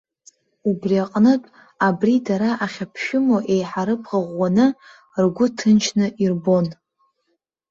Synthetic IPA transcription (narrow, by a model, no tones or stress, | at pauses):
ubriaqʼnɨtʼ | abridaɾaʔaχʲapʰʃʊmoʔe̞jħaɾɨpʰʁaʁʷːanɨ | rɡʷʊtʰɨnt͡ʃʰnɨʔirbo̞n